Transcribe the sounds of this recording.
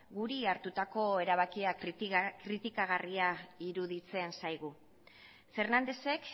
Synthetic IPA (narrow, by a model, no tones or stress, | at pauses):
ɡuɾiaɾt̪ut̪ako̞e̞ɾaβ̞akiakɾit̪ikaɣ̞ariaiɾuðit͡se̞nsajɣ̞u | fe̞ɾnand̪e̞se̞k